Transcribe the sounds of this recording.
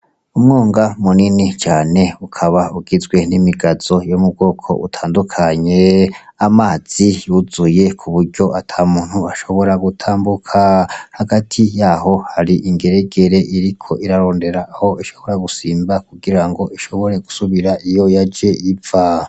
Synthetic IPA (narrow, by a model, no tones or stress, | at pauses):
umŋoːŋɡamuninit͡ʃaːne̞ukʰaβauɡizɡwe̞nimiɡaz̥o̞jomub̚ɡo̞ːkʰo̞̰ʔṵtʰaːndukʰaɲe̞amaːz̥ijuzuje̞kʰuβuɾɟo̞ʔatʰaːmuːn̥huaʃo̞βo̞ɾaɡutʰaːmbukʰahaɡatʰijaːɦo̞haɾiʔiŋɡe̞ɾe̞ɡe̞ɾe̞ʔiɾikʰo̞ʔiɾaɾo̞ːnde̞ɾaːho̞iʃo̞βo̞ɾaɡusiːmbakuɡiɾaŋɡo̞iʃo̞βo̞ɾe̞ɡu̥suβiɾaijo̞jad͡ʒe̞ʔiva